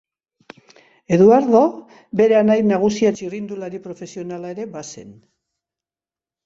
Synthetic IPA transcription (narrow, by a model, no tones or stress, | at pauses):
e̞ðuaɾðo | be̞ɾeanajnaɣ̞usiat͡ʃirind̪ulaɾipɾo̞fe̞sio̞nalae̞ɾe̞base̞̰n